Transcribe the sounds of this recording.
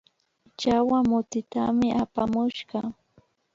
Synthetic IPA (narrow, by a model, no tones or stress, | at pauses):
t͡ʃawamʊt̪ɪt̪amɪʔapamʊʃɢɑ